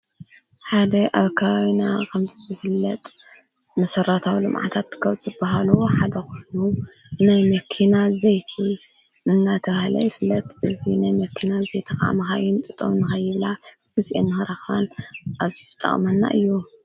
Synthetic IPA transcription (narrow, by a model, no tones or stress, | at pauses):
ħad̪ɐʔaβkʰaβaβinakʰɐmzizɨfɨlːɐt̪ʼ | mɐsɐɾat̪ʰawilɨmʕa̰t̪ʰat̪ːɨkɐwt͡sʼzɨbːaɦaluħad̪ɐxuʃnu | najmɐkʰinazɐjt̪ʰi | ɨnːat̪ʰɐβahlɐ̰jɪfɨlːɐt̪ʼʔɨzinajmɐkʰːinazejt̪ʰɨxa̰ʔmɐxajɪnt̪ʼɨt̪ʼːo̰mnːɨxɐjːɨβla | ɡɨzʔḛnːɨhɐɾaxanʔaβt̪ʰi̥ɨt̪ʼːɐ̰χʼmɐnːa̰ʔɨjːu